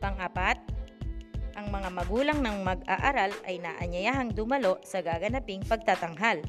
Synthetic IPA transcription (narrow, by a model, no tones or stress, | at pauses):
pɐŋʔapat̪̚ | ʔɐŋmɐŋamɐɡuːlɐŋnɐŋmɐɡa̰ʔaɾalɐjnaːʔɐɲɐjaːɦɐŋd̪ʊmɐlo̞ʔsɐɡaːɡɐnapɪŋpɐɡ̚t̪at̪ɐŋɦal